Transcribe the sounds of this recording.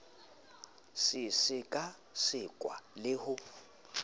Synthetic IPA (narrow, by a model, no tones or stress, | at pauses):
sɪsɪkʼa | sɪkʼwa̰lɪhʊ